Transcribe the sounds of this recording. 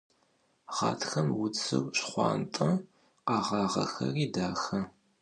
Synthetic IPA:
ʁɑːtʰxɐmwʊt͡sʰʼɨ̰wɕχʷɑ̰ːntʼɐ | qɑːʁɑːʁɐ̰xɐ̰riːdaːxɐ

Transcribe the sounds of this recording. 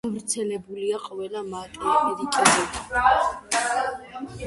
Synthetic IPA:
avɾt̪sʰɛlɛbuliaqʼɔvɛlamat̪ʼɾiɛd̪ikʼidɛbi

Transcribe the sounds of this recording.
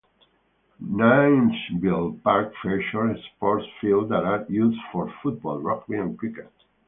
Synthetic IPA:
najnsbilpaɾkfɛʃɔñspɔɹtsfild̪aɾajuzfɔɹfut̪̚bɔlˠɹɔkweãnkɹikə

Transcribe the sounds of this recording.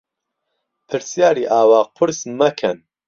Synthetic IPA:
pʰɨɾsjaːɾiːʔaːwaːq̚pʰɨɾsmɐkʰɐn

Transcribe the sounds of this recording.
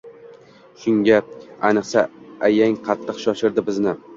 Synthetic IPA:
ʃʊŋɡʲaajnɨqsaajaŋqʰɑt̪ʰːɨqʃɒʃɪɾd̪ɪbɪznɪ

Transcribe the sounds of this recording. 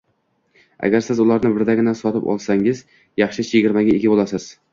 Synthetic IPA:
a̰ɡʲaɾsɪzʊlˠaɾnɪbɪɾd̪aɡʲɪnansɒt̪ɪpɒ̰lˠsaŋɪz | jɑχʃɪt͡ʃʰjɪɡʲɪɾmaɡʲɪeɡʲɪbolˠasɪz̥

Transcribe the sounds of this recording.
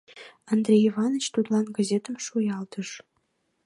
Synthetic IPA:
ɑnd̪rʲejivɑnə̆t͡ɕt̪ut̪lˠɑnɡɑzʲet̪ə̆mʃujɑlt̪ə̆ʂ

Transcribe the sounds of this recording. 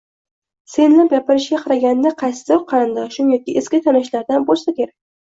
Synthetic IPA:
se̞nlapɡʲapɪɾɪʃɡʲaqʰɑɾaɡʲand̪aqʰɑjsɪ̥d̪ɒqʰɑɾɪnd̪ɒʃʊmjɒkʲɪʔeskʲɪt̪ʰanɪʃlaɾd̪anbolˠsakʲʰe̞ɾakʲ

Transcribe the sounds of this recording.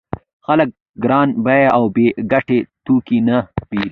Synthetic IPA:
xalək̚ | ɡɾɑnbajaʔawbeɡaʈet̪ukinab̥iɾ

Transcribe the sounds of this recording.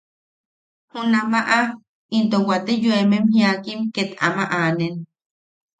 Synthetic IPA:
hunamaʔa | int̪owat̪ejuememhĩakimket̪a̰maʔanen

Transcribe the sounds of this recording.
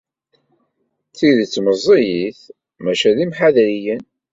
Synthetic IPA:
θiðt͡sːməzˤːijiθ | mæʃæðimħaðɾijən

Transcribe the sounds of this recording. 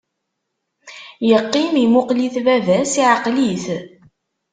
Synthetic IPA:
jəqːimimʊqliθvævæsiʕaqliθ

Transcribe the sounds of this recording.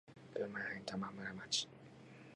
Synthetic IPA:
maɾantamamaɾamat͡ʃi̥

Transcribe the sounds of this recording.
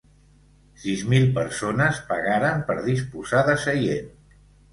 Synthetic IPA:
sizmilˠpəɾsonəspəɣaɾəmpəɾðispuzaðəsəjen

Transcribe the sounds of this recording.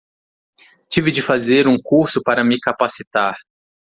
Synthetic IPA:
t͡ʃivɪd͡ʒɪfazeɾũkuɾsʊpaɾɐmɪkapasit̪aɾ

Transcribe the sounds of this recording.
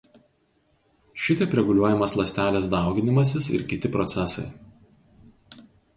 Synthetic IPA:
ʃʲɪt̪ʲɛpɾʲɛɡʊlʲuɔjɛmɐslˠɐsʲt̪ʲæːlʲeːs̬d̪ɑˑʊɡʲɪnʲɪmɐs̬ʲɪsɪ̰ɾkʲɪt̪ʲɪpɾɔt̪sʲɛsɐɪ

